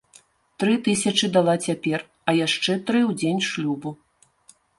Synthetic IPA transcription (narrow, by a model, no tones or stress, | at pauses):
t̪ɾɨt̪ɨsʲɐt͡ʂɨd̪alˠat͡sʲapʲɛr | ɐjaʂt͡ʂɛt̪ɾɨwd͡zʲenʲʂlʲubu